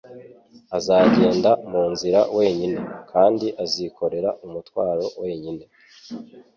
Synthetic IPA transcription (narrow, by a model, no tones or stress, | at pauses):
azaːɟe̞ːndamuːnziɾawe̞ːɲine̞kʰaːndiʔaziko̞ɾe̞ɾaʔumutwaːɾo̞we̞ːɲine̞